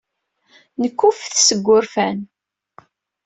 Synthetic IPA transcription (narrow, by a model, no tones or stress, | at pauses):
nəkːufθsəɡʷːʊɾfæn